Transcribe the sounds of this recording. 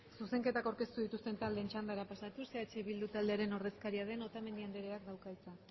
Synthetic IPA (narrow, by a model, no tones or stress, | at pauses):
suse̞ŋke̞t̪akawɾke̞st̪uðit̪ust̪e̞nt̪ald̪e̞nt͡ʃand̪aeɾapasat̪useat͡ʃe̞βild̪ut̪ald̪e̞aɾe̞no̞ɾð̞e̞skaɾiaðe̞no̞t̪ame̞nd̪iand̪eɾeak̚d̪awkajt͡sa